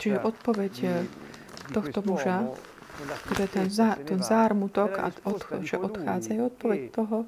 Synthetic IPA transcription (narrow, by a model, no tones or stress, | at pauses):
t͡ʃiʒɛʔɔt̪̚pɔʋɛc | t̪ɔxt̪ɔmuʒa | t̪ɔjɛt̪ɛnzat̪ɛnzaːɾmut̪ɔka̰ɔt̪ʒɛʔɔt̪xaːd͡zajuɔt̪̚pɔʋɛct̪ɔɦɔ